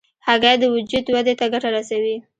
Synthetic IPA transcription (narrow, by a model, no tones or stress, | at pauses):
haɣajd̪əwʊd͡ʒud̪wad̪et̪aɡaʈaɾasawi